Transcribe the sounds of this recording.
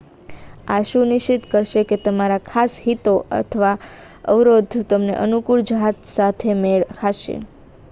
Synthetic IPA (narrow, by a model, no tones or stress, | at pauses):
aʃũnɪʃit̪kəɾʃeket̪əmaɾakʰasɦit̪oə̰t̪ʰəʋa | ə̰ʋɾod̪ʱt̪əmnḛʔənukuɭd͡ʒəɦat̪sat̪ʰemeɭkʰaʃḛ